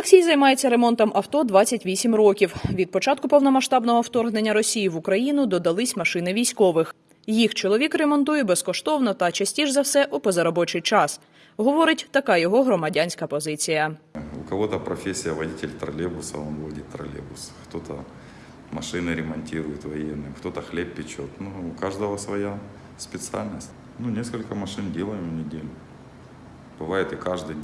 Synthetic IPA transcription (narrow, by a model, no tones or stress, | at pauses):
eksʲijzɐjmɑjet͡sʲːɐɾemɔnt̪ɔmʔɐwt̪ɔd̪ʋɑt͡sʲːɐtʲʋʲisʲimrɔkʲiwʋʲid̪̚pɔt͡ʃɑt̪̚kʊpɔwnɔmɐʃt̪ɑbnɔɦɔwt̪ɔrɦnenʲːɐɾɔsʲijiʋʊkɾɐjinʊd̪ɔd̪ɐlˠɪsʲmɐʃɪnɪʋʲijsʲkɔʋɪx | jixt͡ʃɔlˠɔʋʲikremɔnt̪ujɛbɛskɔʃt̪ɔwnɔt̪ɐt͡ʃɐsʲtʲiʒzɐwsɛʔupɔzɐɾɔbɔt͡ʃɪjt͡ʃɑs | ɦɔʋɔɾɪtʲt̪ɐkɑjɔɦɔɦɾɔmɐdʲanʲsʲkɐpɔzɪt͡sʲijɐʊ̰kɐʋot̪ɐpɾɐfʲesʲːɪjɐʋɐdʲitʲɪlʲt̪ɾɐlʲebʊsɐonvodʲɪt̪ːɾɐ̰lʲḛbʊsxt̪ot̪ɐ̰ | mɐʂɪnɨɾʲɪmɐnʲtʲiɾʊjɪt̪vɐjenːɨmkt̪ot̪ɐxlʲeppʲːɪt͡ɕot̪nuʊkaʐd̪əʋɐsʋɐja | spʲɪt̪sɨa̰lʲnəsʲtʲ | nunʲeskɐlʲkɐmɐʂɨndʲelˠɐjɪmnʲɪdʲelʲʊ | b̥ɨʋajɪt̪ɨkaʐd̪ɨj